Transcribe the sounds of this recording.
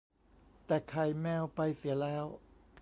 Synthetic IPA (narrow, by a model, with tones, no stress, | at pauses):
t̪ɛː˨˩kʰa˧˩jmɛː˧˩wpa˧jsi˨˩˦lɛː˦˥w